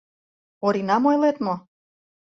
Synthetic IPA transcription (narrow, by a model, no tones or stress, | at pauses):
oɾinɑmojlet̪mo